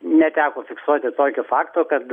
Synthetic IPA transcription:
nʲɛt̪ʲæːkoːfʲɪksuɔt̪ʲɪt̪oːkʲʊfɑːkt̪oːkɐt̪

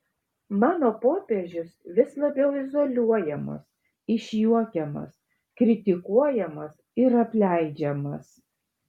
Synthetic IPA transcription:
mɑːnoːpoːpʲeʒʲɪsʋʲɪslˠɐbʲɛʊɪzolʲuɔjɛmɐ̰s | ɪʃʲjuɔkʲɛmɐ̰s | kɾʲɪt̪ʲɪkuɔjɛmɐs | ɪɾɐpʲlʲæˑɪd͡ʒʲɛmɐs

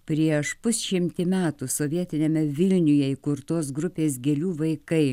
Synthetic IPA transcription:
pʲɾʲiɛʃpʊsʲʃʲɪmʲt̪ʲɪmʲæːt̪usoːʋʲiɛt̪ʲɪnʲemʲɛʋʲɪlʲnʲʊjɛikʊɾt̪oːs̬ɡɾʊpʲeːs̬ɡʲɛlʲuːʋɐɪkɐɪ

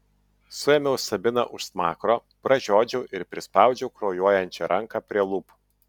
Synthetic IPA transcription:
sʊjɛmʲɛʊsɐbʲɪnɐ̰ʔʊʃsmɑːkɾoː | pɾɐʒʲoːd͡ʒʲɛʊʔɪɾpʲɾʲɪspɑˑʊd͡ʒʲɛʊkɾɔːjuɔjɛnʲt͡ʃʲɛɾʔɐŋkɑːpʲɾʲiɛlˠʊp

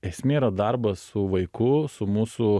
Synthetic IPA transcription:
ɛsʲmʲeiːɾɐd̪ɐɾbɐssʊʋɐɪkʊsʊmuːsʊ

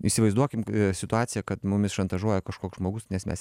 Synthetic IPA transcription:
isʲɪʋɐɪzd̪uɔkʲɪmsʲɪt̪ʊɑːt̪t͡s̪ʲɪjɛkɐt̪mʊmʲɪsʃɐnt̪ɐʒuɔjɛkɐʃkoːksʒmoːɡʊsnʲɛsmʲɛ̰s

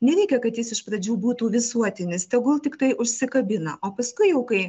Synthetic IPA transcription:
nʲɛɾʲɛɪkʲɛkɐt̪jɪsɪʃpɾɐd͡ʒʲuːbuːt̪uːʋʲɪsuɔt̪ʲɪnʲɪst̪ʲɛɡʊlˠt̪ʲɪkt̪ɐɪʔʊʃʲsʲɪkɐbʲɪnɐʔoːpɐskʊɪjɛʊkɐɪ

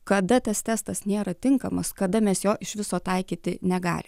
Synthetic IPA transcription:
kɐd̪ɐt̪ɐst̪ʲæːst̪ɐsnʲeːɾɐt̪ʲɪŋkɐmɐskɐd̪ɐmʲɛsjoːʔɪʃʋʲɪsoːt̪ɐɪkʲiːt̪ʲɪnʲɛɡɑ̰ːlʲɪ

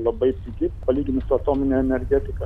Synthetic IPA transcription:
lˠɐbɐɪt̪ʲɪɡʲɪpɐlʲiːɡʲɪnɐsɐt̪oːmʲɪnʲeɛnʲɛɾʲɡʲɛt̪ʲɪkɐ

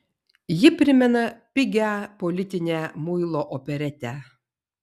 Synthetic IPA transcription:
jɪpʲɾʲɪmʲɛnɐpʲɪɡʲæpɔlʲɪt̪ʲɪnʲæːmʊɪlˠoːʔɔpʲɛɾʲɛt̪ʲæ

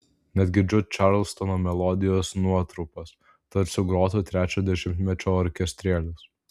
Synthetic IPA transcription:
nʲɛd̪ʲɡʲɪd͡ʒʲʊt̪ʲt͡ʃɑɾlˠst̪ɔnoːmʲɛlˠɔd̪ʲɪjoːsnuɔt̪ɾɔʊpɐs | t̪ɐɾsʲʊɡɾoːt̪oːt̪ʲɾʲæːt͡ʃʲoːd̪ʲɛʃʲɪmʲt̪ʲmʲɛt͡ʃʲoːɔɾʲkʲɛsʲt̪ʲɾʲiɛlʲʊs

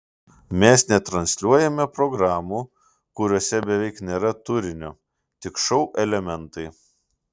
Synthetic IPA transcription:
mʲɛsnʲɛt̪ɾɐnʲsʲlʲuɔjɛmʲɛpɾɔɡɾɑːmuː | kʊɾʲoɔsʲɛbʲɛʋʲɛɪknʲeːɾɐt̪ʊɾʲɪnʲoː | t̪ʲɪkʃɔʊʔɛlʲɛmʲɛnˑt̪ɐɪ

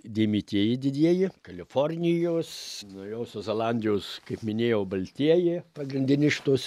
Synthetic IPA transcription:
d̪ʲimʲiːt̪ʲiɛjɪd̪ʲɪd̪ʲiɛjɪkɐlʲɪforʲnʲɪjoːsnɐʊjoːsʲozʲɛlˠɑnʲd̪ʲɪjoːskɐɪpmʲɪnʲeːjɛʊbɐlʲt̪ʲiɛjɪpɐɡɾʲɪnʲd̪ʲɪnʲɪʃt̪oːs

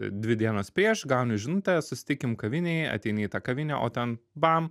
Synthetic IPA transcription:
d̪ʲʋʲɪd̪ʲiɛnoːspʲɾʲiɛʃɡɐʊnʲʊʒʲɪnut̪ɐsʊsʲɪ̥t̪ʲɪkʲɪmkɐʋʲɪnʲeɪɐ̰t̪ʲɛɪnɐɪit̪ɑːkɐʋʲɪnʲæʔo̰ːt̪ʲɛnbɑːm

